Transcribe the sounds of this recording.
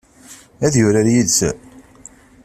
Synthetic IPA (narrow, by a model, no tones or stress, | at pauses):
æðjʊɾaɾjidsæ̰